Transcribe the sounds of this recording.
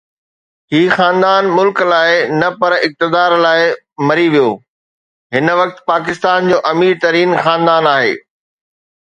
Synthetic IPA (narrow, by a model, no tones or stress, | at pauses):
ɦiːxaːnd̪aːnmʊlklaːɪnɐpɐɾɪk̚t̪ɪd̪aːɾlaːɪ | mɐɾiʋijoː | ɦɪnʋɐk̚t̪paːk̬ɪst̪aːnd͡ʑoːʔɐmiːɾt̪ɐɾiːnxãːnd̪aːnaːɦḛː